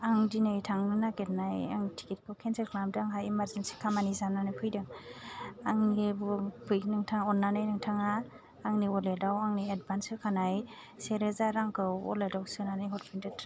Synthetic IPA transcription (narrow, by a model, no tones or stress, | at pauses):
aŋdinajtʰaŋnɯnaket̚naja̰ŋtʰi̥kit̚kʰɯwkʰenseklamdaŋɦajimaɾzensi̥kʰamanizananajpʰɯjdɯŋ | aŋibpʰɯjnɯŋtʰaŋɔnːanajnɯŋtʰaŋaː | ŋniɔledawaŋniad̚bansɯkʰanaj | seɾezaɾaŋkʰɯwɔ̰ledawsɯnanajɦɔt̚pʰindɯtʰ